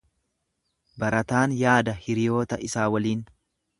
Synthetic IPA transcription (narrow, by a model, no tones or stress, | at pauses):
bɐɾɐt̪aːnjaːd̪ɐhɪɾɪjo̞ːt̪ɐʔɪsaːwɐliːn